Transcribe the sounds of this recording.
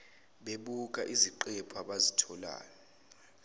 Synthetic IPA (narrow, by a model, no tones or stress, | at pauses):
ɓeɓuk̬ʼaʔiziǃɛpʰaɓazitʰɔla̰ːnɔ